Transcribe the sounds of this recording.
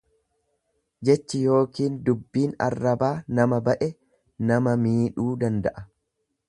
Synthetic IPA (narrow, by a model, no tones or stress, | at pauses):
d͡ʒɛt͡ʃːɪjo̞ːkiːnd̪ʊbːiːnɐ̰rːɐbaːnɐmɐbɐʔɛ | nɐmɐmiːᶑuːd̪ɐnd̪ɐʔɐ